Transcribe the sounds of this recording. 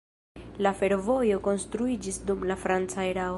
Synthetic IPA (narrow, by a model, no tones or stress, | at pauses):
lafe̞ɾvo̞jo̞ko̞nstɾuid͡ʒisdumlafɾant͡saeɾa